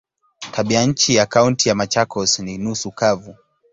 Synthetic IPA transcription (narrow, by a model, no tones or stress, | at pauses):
tʰaɓiaɲ̩t͡ʃijakauntijamat͡ʃakʰɔsninusukavu